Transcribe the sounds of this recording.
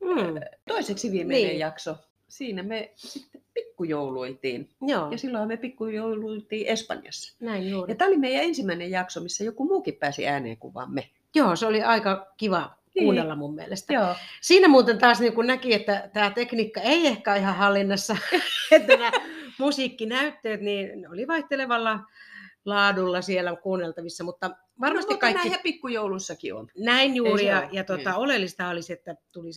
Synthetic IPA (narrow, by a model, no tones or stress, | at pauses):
m̩t̪oiseksiʋiːmenːnejjɑkso | siːnæmesit̪ːepikːujouluilt̪ḭːnjoːjɑsilːohɑmepikːujouluilt̪iːʔespɑ̰njɑ̰sːɑ̥næinjuːrjɑt̪æːolimeijæensimæinejjɑksomisːæjokumuːkippæːsḭæːnḛːkṵʋˑɑ̰ːmme | joːseoliɑikɑkiʋɑ | kuːnːelːɑmumːiḛlest̪æoːsiːnæmuːt̪ent̪ɑːsniːŋkunnækiet̪ːæt̪æːt̪ekniːkːɑeiehkæːihɑhɑlːinːɑsːɑet̪t̪ːænæmusikːinæyt̪ːøːt̪niːneoliʋɑiht̪eleʋɑlːɑ | lɑːdulːɑsielækuːnːelt̪ɑʋisːɑmut̪ːɑ | ʋɑrmɑst̪ikːɑiːiæpikːujoulusːɑkḭo̰nnæinjuːrijɑjɑt̪ot̪ɑolelːist̪ɑhɑoliset̪ːæt̪ulis